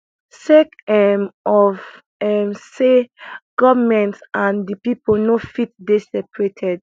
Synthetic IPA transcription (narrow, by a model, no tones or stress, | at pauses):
sekɛmɔv | ɛmseɡ̥ɔvəmɛ̃ntsãndipiponofit̚desɛpɹetʰɛd